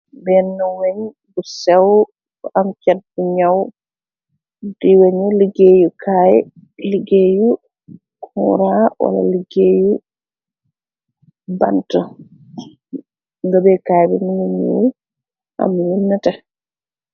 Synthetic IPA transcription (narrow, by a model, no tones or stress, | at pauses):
bɛnːɔweɲ | ɡusɛw | amkɛbuɲaw | diweɲɔliɡeːjukʰajɛ | liɡeju | kʰɔ̰ɾawa̰la̰liɡeju | ba̰ntɔ | ŋɡabɛkaːjbɛminumo̰ | ʔa̰mːwunːata